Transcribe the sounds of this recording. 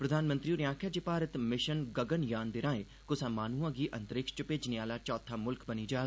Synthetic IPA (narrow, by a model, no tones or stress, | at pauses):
pɾəd̪ʱaːnmə̃nt̪ɾiːoɾɪjãːkʰaːd͡ʒepaːɾət̪mɪʃənɡəɡənjaːnd̪ɪɾãːẽː | kʊsãːmaːnuːãːɡiːʔə̃nt̪əɾɪkʃt͡ʃəpeːd͡ʒnɪaːlaːt͡ʃɔːt̪ʰːaːmʊlkbəniːd͡ʒaː